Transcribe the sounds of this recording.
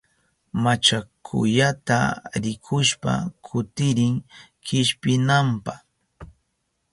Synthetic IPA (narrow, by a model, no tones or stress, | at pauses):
mat͡ʃakʰʊ̰jat̪a̰ɾɪkʰʊʃpa̰kʰʊt̪ɪɾɪŋ | kɪʃpɪnampaχ